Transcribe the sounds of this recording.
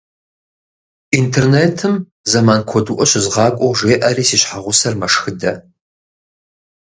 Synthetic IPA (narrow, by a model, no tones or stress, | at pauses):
intʰerneːtʰɨm | zɐmaːnkʷʰɔduʔʷɔɕɪzʁɑːkʷʼɔwʒeːʔɐriːsiːɕħaʁʷʊsɐrmɐʂxɨdɐ